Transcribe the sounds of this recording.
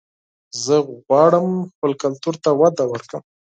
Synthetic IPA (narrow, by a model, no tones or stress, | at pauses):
zəɣɣwɑɽəmxpəlkalt̪uɾt̪awad̪awəɾkəm